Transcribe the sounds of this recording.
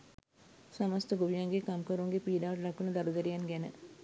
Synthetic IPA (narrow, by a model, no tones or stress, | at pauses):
sɐməst̪əɡuʋijaŋɡekɐmkəɾuŋɡepiːɖaːʋɐʈɐlɐkːunɐd̪ɐɾud̪ɐɾijanɡɛnə̰